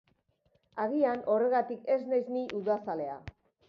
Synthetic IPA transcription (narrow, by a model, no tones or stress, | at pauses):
aɣ̞iano̞re̞ɣ̞at̪ike̞znajzniʔuðasale̞a̰